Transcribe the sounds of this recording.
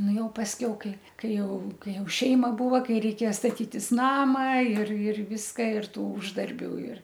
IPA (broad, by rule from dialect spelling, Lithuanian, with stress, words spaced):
ˈnʊ ˈjɛʊ pɐsʲˈkʲɛʊ ˈkɐɪ ˈkɐɪ ˈjɛʊ ˈkɐɪ ˈjɛʊ ˈʃʲɛɪmɐ ˈbuːʋɐ ˈkɐɪ rʲɛɪˈkʲeːjɛ stɐˈtʲiːtʲɪs ˈnɑːmɐ ɪr ɪr ˈʋʲɪskɐ ɪr ˈtuː ˈʊʒdɐrʲbʲuː ɪr